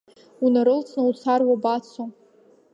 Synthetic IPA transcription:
unaɾɨlt͡sʰnaut͡sʰarwabat͡sʰo

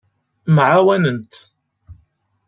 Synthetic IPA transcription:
mʕawænənt̪

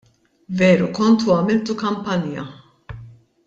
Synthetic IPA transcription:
vɛːɾukɔnt̪uɐmɪlt̪ukɐmpɐnjɐ̰

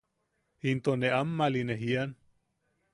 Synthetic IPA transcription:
int̪oneamːalineɦian

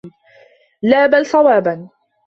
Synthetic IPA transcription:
laːbalsˤɑwaːban

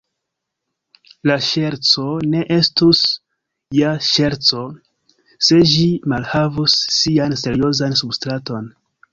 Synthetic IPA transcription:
laʃe̞ɾt͡so̞ne̞ʔe̞stus | jaʃe̞ɾt͡so̞ | se̞ʒimalhavusːianse̞ɾio̞zansubstɾato̞n

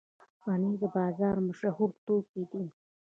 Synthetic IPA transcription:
wɑnid̪əbɑːzɑɾmʊʃahuɾt̪oked̪i

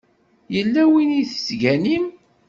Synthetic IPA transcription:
jəlːæwiniθə̥sʝænim

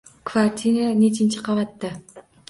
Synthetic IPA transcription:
kvaɾt̪ʲʰinanet͡ʃʰɪnt͡ʃʰɪqʰɑvɑt̪ːɪ

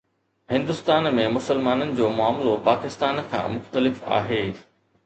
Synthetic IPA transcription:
hɪ̃nd̪ʊst̪aːnmẽmʊsəlmaːnənɪ̆d͡ʑoːmʊaːmlopaːkɪst̪aːnkʰã̰ːmʊxt̪əlɪfa̰ːɦeː

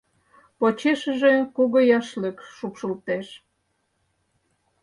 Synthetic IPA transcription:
pot͡ɕeʃə̆ʒekuɣojɑʃləkʃupʃəlt̪eʃ

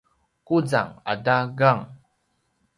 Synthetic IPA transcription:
kud͡za̰ŋa̰daɡaŋ

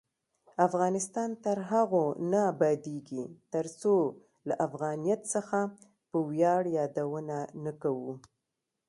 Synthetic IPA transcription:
afɣɑnɪst̪ɑnt̪əɾɦaɣonaːbɑd̪eɡit̪əɾso | laʔafɣɑnijat̪səxa | pəwjɑɽjɑd̪awənanakawu

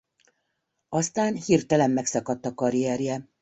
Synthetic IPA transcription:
ɒst̪aːnhirt̪ɛlɛmːɛksɒkɒt̪ːɒkɒɾiɛɾjɛ

